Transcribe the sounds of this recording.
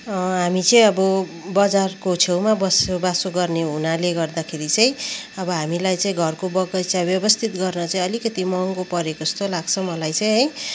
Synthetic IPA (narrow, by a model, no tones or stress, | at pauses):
ʌɦamit͡sʌĩʌbʌ | bʌd͡zarkot͡sʰewmabʌsbasoɡʌrneɦunaleɡʌrd̪akʰeɾit͡sʌĩʌbʌɦamilajt͡sʌĩɡʱʌrkobʌɡʌjt͡sabjʌbʌst̪ʰit̪ɡʌrnʌt͡saĩʌlikʌt̪imʌŋɡopʌɾekost̪olaɡt͡sʰʌmʌlajt͡sʌj̃ɦʌj